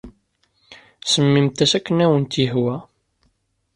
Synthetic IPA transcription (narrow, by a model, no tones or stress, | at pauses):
səmːimt̪æsækːənæwənt̪iɦwæ